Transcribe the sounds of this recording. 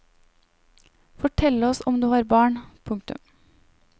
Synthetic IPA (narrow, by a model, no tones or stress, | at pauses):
fɔʈʰɛləɔsɔmd̪ʉːhɑːɾbɑːɳpʰʊŋkt̪ʉ̰m